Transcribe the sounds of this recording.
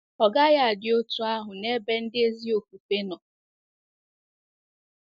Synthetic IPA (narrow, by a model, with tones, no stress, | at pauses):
ɔ˨ɡa˦ja˨a˨dɪ˨o˦tu˦a˦ɦʊ˨ne˦be˦n̩˦dɪ˦e˦zi˦o˨ku˨pe˦nɔ˨